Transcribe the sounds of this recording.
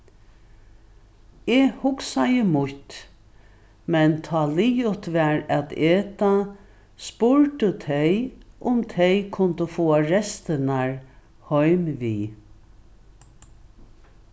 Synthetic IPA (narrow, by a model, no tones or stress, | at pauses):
ɛhʊksajəmʊht̪ | mɛnt̪ʰɑːlijʊt̪ʋɛɹæt̪eːt̪a | spʊɹt̪ət̪ʰɛjʊmt̪ʰɛjkʰʊnt̪əfoːaɹɛst̪ənaɹ | hɔʏmʋiː